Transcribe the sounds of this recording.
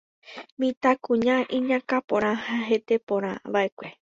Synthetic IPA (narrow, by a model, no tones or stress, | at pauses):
mĩt̪akũɲãʔĩɲãkapõɾ̃ãhaɦe̞t̪e̞põɾ̃ã̰ʋaʔe̞kʷe̞